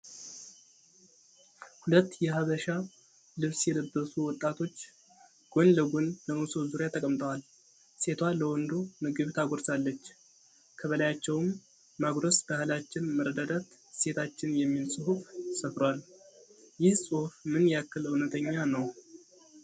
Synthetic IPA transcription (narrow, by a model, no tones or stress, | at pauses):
hulət̪ːjɛɦaβəʃa | lɨβsjɛd̪əbːəsuwɔt̪ʼːat̪ʰo̞t͡ʃː | ɡ̥onləɡonləʔusozuɾjat̪ʰəkʼəmt̪ʼəwal | se̞t̪ʰwaləwɔnd̪unɨɡɨβt̪ʰaɡoɾsalːət͡ʃː | kʰəβəlajat͡ʃːɛwmː | aɡɾəsb̥ahɨlat͡ʃːɪnməɾəd̪ad̪at̪se̞t̪ʰat͡ʃːɪnjɛmːilsʼɨhufsəfɾwal | jɪhsʼɨhufmɨnjɛakːɨlɨwnət̪ʰəɲːanəw